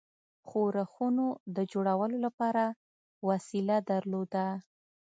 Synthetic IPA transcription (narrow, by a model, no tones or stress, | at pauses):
xoɾaxunod̪əd͡ʒoɽawəlolapɑɾa | wasilad̪əɾlod̪a